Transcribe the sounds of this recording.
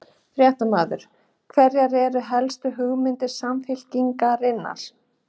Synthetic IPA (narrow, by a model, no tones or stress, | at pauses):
θɾjɛht̪amaːðʏ̰ɾ̥ | kʰvɛɾjaɾɛɾʏɦɛlst̪ʏɦʏɣmɪnt̪ɪ̥samfɪl̥ciŋkaɾɪnːa̰ɾ̥